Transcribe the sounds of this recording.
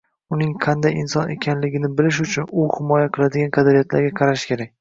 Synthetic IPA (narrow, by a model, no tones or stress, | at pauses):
ʊnɪŋqʰɑnd̪ajɪnsɒne̞̰kʲʰanlɪɡʲɪnɪbɪlɪʃ̬ʊt͡ʃʰʊnʊhɪmɒjaqʰɨlˠad̪ɪɡʲanqʰɑd̪aɾijat̪laɾɡʲaqʰɑɾaʃkʲe̞ɾak̚ʲ